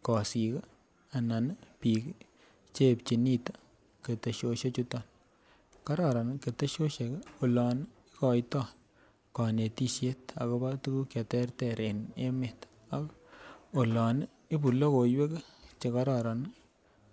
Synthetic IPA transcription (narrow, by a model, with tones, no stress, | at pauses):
kɔ˨si˨k | a˨na˨n˦pi˨k | t͡ʃe˦p̚t͡ʃi˨ni˦ta˨ | ke˨te˨ʃo˧ʃe˦t͡ʃu˦tɔ˦˨n | ka˦ɾɑ˨ɾa˨nke˨te˦ʃo˦ʃe˨ko˨lɔ˨n˦ | i˦kɔ˨jtɔ˦˨ | ka˨ne˨ti˦ʃje˦ta˨ko˧ba˦tu˦ku˦kja˨tɛ˦rtɛ˨ɾe˨ne˦me˨t | a˨ko˨lɔ˨n˦ | i˦pu˨lo˦ko˨jwe˦kt͡ʃe˨˧ka˦ɾɑ˨ɾa˨n˦